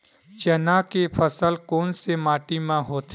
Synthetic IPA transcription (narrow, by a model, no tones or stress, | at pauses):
t͡ʃənakepʰəsəlkoːnsemaːʈimãɦoːt̪ʰ